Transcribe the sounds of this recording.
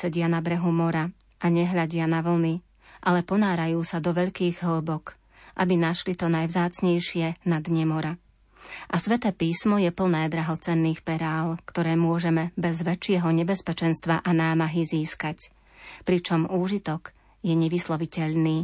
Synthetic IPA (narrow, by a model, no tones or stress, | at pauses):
sɛɟɪanabɾɛɦumɔɾa | aɲɛɦʎaɟɪanaʋl̩ni | ʔalɛpɔnaːɾajuːsad̪ɔʋɛʎkiːɣɦl̩bɔk | ʔabinaʃlit̪ɔnajvzaːt͡sɲɛjʃɪɛnad̪ɲɛmɔɾa | ʔasʋɛt̪ɛːpiːsmɔjɛpl̩nɛːd̪ɾaɦɔt͡sɛnːiːxpɛɾaːlkt̪ɔɾɛːmʊɔʒɛmɛbɛzʋɛt͡ʃɪɛɦɔɲɛbɛspɛt͡ʃɛnst̪ʋaʔanaːmaɦiziːskac | pɾit͡ʃɔmuːʒit̪ɔk | jɛɲɛʋislɔʋicɛʎniː